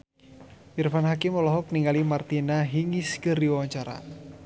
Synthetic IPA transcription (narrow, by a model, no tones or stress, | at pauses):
ʔirfanɦakɪmɔlɔɦɔk̚niŋalimart̪inaɦiŋiskərdiwawaɲt͡ʃaɾa̰